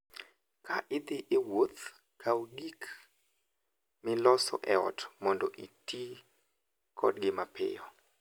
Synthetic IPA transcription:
kʰaʔɪd̪ɪʔewot̪ | kʰawdik | mɪlɔsɔ̰ʔɛɔ̰tmɔndɔʔiti | kʰɔ̰dɡɪmapɪ̰jɔ

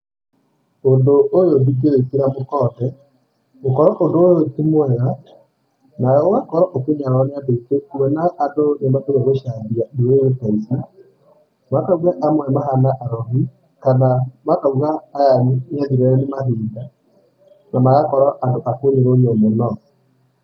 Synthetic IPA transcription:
ondoojodikeɾekiɾamokɔtɛ | okɔɾɔʔondoootimwɛɣa | najɔwakɔɾɔʔokeɲaɾɔneadekekumɛnaːndonembatooɣoʃaðijaneweɣetaisa | makauɣaʔamwɛmaɦanaʔaɾɔɦi | kanamatauɣaːjaɲaðiɾɛɾɔnemaθiːnda | namaɣakɔɾɔʔandoʔakoɲeɾoiomɔnɔ

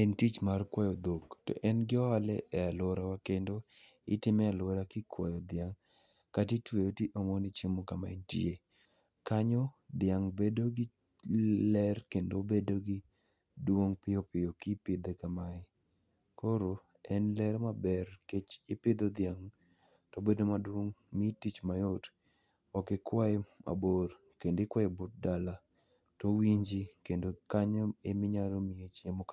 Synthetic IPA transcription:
entit͡ʃmarkwajɔd̪okto̰ʔɛnɡɪɔalɛʔɛaloɾawakendo | ɪtɪmɛalwoɾakɪkwajɔd̪ɪaŋ | katitweotiʔomonit͡ʃemokamaentḭe | kaɲɔd̪ɪjaŋbedoɡɪ | lɛrkendobedoɡɪ | dwoŋpɪjopɪjokɪpɪd̪ekamaɪ | kʰoɾo | ɛnlɛɾmabɛrket͡ʃɪpɪd̪od̪ɪaŋ | tɔbedomadwoŋmitit͡ʃmajot | ɔkɪkwaɛma̰bor | kendɪkwajɛbot̚dala | towiɲd͡ʒikendokaɲɔemɪɲaɾomiet͡ʃjamɔk

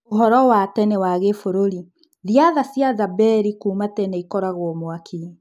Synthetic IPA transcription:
oɦɔɾɔwatɛnɛwaɣefoɾoɾi | ðiaðasjazabɛɾikuːmatɛnɛikɔɾaɣwɔmwaki

